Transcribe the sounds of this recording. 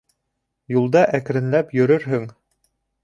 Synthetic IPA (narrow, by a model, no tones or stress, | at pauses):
julˠd̪ɑʔæk̆ɾɘ̆nlæpjɵ̆ɾɵɾɦɵŋ